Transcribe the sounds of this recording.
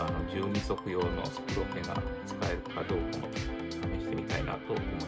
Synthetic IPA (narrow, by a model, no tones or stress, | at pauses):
ano̞d͡ʑɨːɲiso̞kɯ̟jo̞ːno̞̰so̥kɯ̟jokeŋɡa̰t͡sɨ̥kae̞ɾɯ̟kad̪o̞ːkamo̰ | ɲʲiɕi̥t̪e̞mʲit̪aina̰t̪oom